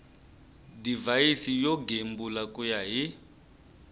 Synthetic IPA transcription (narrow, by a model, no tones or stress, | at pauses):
divaisijɔɡembulakʼujaɦi